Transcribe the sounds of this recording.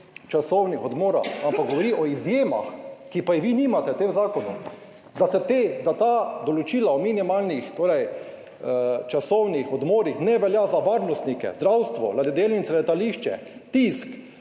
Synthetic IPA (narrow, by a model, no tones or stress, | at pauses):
t͡ʃasɔwnixɔd̪moːɾa̰ampaɡ̚ɡɔʋɔɾiʔɔizjeːma̰xkipajɛʋinimat̪ɛt̪emzaːkɔnu | d̪asɛt̪ed̪at̪ad̪ɔlɔt͡ʃiːlaɔminimalnixt̪oːɾɛj | t͡ʃasɔwnixɔd̪moːɾixnɛʋɛljazaʋaɾnɔst̪nikɛ̰zd̪ɾawst̪ʋɔ̰lad̪ɛd̪eːlinsɛlɛt̪aliʃt͡ʃɛ̰t̪isk